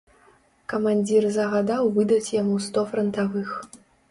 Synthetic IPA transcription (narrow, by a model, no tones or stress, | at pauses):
kɐmanʲd͡zʲirzɐɣad̪awvɨd̪ɐt͡sʲjamust̪ɔfɾɐnt̪avɨx